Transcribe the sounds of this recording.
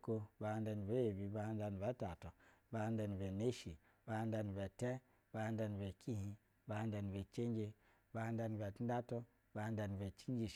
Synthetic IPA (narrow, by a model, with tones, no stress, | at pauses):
ko˦ba˨ha˧n˦da˧n˨be˦je˨bi˨ba˨ha˦n˦da˧n˨ba˨˦ta˨to˨ba˦ha˦n˦da˧n˨be˨ne˦ʃi˨ | ba˨ha˦nda˧˨n˨be˨te˦ | ba˨ha˦nda˧n˨be˨ki˦hĩ˧ | ba˨ha˦nda˧n˨be˨t͡ʃe˦n˦d͡ʒe˦ | ba˨ha˦nda˧n˨be˨tn˦da˦to˦ | ba˨ha˦n˦da˧n˨be˨t͡ʃi˦n˦d͡ʒi˦˨